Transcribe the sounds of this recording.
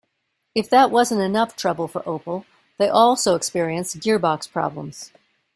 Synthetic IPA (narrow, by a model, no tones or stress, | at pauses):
ɨfðəʔ̚wʌzə̃ntɨnʌftʰɹ̥ʌbl̩ˠfə˞ʔoʊpl̩ˠ | ðeɪʔɔlˠsoʊəkspɪɹiɨ̃nsɡɪɹbɑkspʰɹ̥ɑ̰blə̰̃mz̥